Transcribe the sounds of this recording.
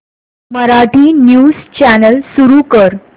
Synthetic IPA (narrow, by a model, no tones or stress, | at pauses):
məɾaʈiːnjuːst͡ɕænəlsuɾukəɾ